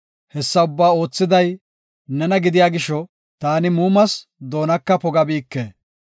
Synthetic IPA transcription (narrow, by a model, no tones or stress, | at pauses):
hɛsːɐʊbːaːo̞ːt͡sːɪd̪ɐj | nɛnɐɡɪd̪ɪjaːɡɪʃɔ | t̪aːnɪmuːmɐsd̪o̞ːnɐkːɐpɔɡɐbiːkːeː